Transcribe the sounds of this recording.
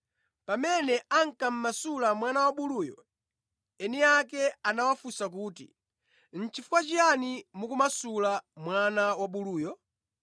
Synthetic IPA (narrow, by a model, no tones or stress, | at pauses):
pamɛnɛaŋ̩kam̩masulamwanawaɓuluːjɔ̰ | ɛniakɛanawafusak̬uːtḭ | n̩t͡ʃʰifu̥kwat͡ʃijanimukumasulamwanawaɓuluːjɔ